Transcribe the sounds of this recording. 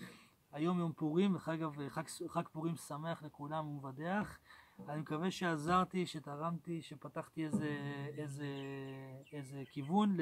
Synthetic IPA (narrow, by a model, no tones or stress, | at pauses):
ajo̞mjompuʁimeχaɡavχakχakpuʁimsame̞aχle̞kulamumevadeaχanimekaveʃeazaʁt̪iʃet̪aʁamt̪iʃepat̪aχt̪iezeeze | ezekivunl